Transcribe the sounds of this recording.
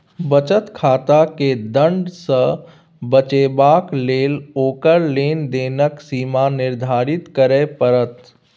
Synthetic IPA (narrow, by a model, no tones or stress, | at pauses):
bət͡ʃət̪kʰaːt̪aked̪ə̃ɳɖsə̃ | bət͡ʃeːbaːkleːloːkəɾleːnd̪eːnəksiːmanɪɾd̪ʱaːɾɪt̪kəɾepəɾət̪